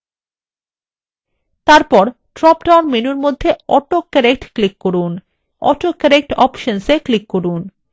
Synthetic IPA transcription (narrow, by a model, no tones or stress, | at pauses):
t̪aɾpɔɾ | ʈɾɔp̚ʈawnminuɾmod̪ʱːeɔʈokːɛɾek̚ʈklikːoɾun | ɔ̰ʈokɛɾek̚ʈɔ̰pʃonseklikːoɾun